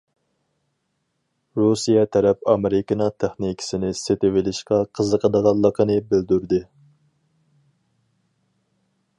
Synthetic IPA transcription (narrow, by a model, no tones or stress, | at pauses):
ɾusijɛt̪ʰɛɾɛpɑmɪɾɪkɪnɨŋt̪ʰæχnikʲʰɪ̥sɪnɪset̪ɪwɪlɪʃqɑqʰəzəqʰəd̪əʁɑlˠːəqʰənɨbɪld̪yɾd̪ɨ